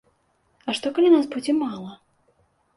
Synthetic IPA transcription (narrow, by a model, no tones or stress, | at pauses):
ɐʂt̪ɔkɐlʲinasbud͡zʲimalˠɐ